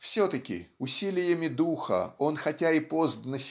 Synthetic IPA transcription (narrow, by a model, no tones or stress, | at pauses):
fsʲot̪əkʲɪ̰ʊsʲilʲɪjəmʲɪd̪uxə̰o̞nxɐtʲaɪpo̞zd̪nəsʲ